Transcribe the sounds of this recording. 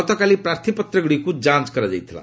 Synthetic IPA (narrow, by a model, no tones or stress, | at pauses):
ʌt̪ʌkaliprart̪ʰipʌt̪rʌɡɽikud͡zãnt͡skʌɾʌd͡za̰jt̪ʰila̰